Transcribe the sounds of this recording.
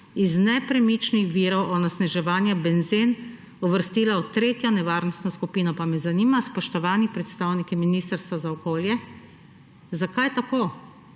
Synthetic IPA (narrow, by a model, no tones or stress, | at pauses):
iznɛpɾɛmit͡ʃnixʋiːɾɔwʔɔnasnɛʒɛʋaːnjabɛnzin | ɔʋəɾst̪iːlaut̪ɾeːt̪jɔnɛʋaːɾnɔst̪nɔskupiːnɔpamɛzaniːmaspɔʃt̪ɔʋaːnipɾɛt̪st̪awnikiminist̪əɾst̪ʋazaɔkoːljɛ | zakajt̪akoː